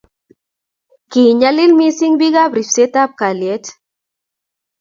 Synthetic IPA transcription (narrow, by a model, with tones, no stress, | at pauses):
ki˨ɲa˦li˦lmi˦si˦ŋbi˦ɣa˦bɾi˨fse˦ta˦p̚ka˨lje˦t